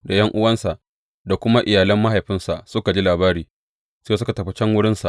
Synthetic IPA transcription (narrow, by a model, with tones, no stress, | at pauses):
da˨jɐ˦ŋʔʊ˦wɐ˦nsa˨ʔ | da˨kʷʊ˦ma˦ʔɪ˨jaː˨lɐ˦mːa˦ha˨jɸɪ˦nsa˨sʊ˦ka˨d͡ʒiː˦laː˨baː˦ɾiː˨ | seː˦sʊ˦ka˨tɐ˨ɸe˦t͡ʃɐ˦ŋwʊ˦ɽɪ˦nsa̰˨ʔ